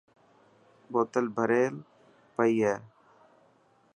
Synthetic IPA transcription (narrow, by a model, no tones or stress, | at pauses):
boːt̪əlbʱəɾeːl | pəiːɦɛː